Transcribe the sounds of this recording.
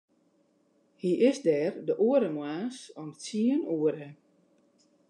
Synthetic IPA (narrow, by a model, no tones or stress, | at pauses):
hiʔɪsdɛːrdəʔuəɾəmwaːsɔmt͡siənuəɾə